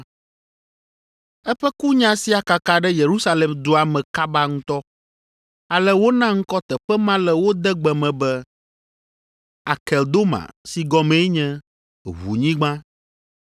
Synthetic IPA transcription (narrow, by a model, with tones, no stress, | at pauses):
ɛ˦ɸɛ˦ku˦ɲã˦si˦a˨ka˨ka˨ɖɛ˦je˨ɾu˦sa˦lɛ˨md̪o˦a˨mɛ̃˨ka˦ba˦ŋũ˦t̪ɔ˦ | a˨lɛ˦wo˦nã˦ŋ̩˦kɔ˦t̪ɛ˨ɸɛ˦mã˦lɛ˨wo˦d̪ɛ˦ɡ͡bɛ˨mɛ̃˨bɛ˦ | a˨kɛ˨ld̪o˦mã̰˨si˨ɡɔ˨mɛ̃˨˦ɲɛ̃˦ | βṵ˨ɲĩ˦ɡ͡bã˦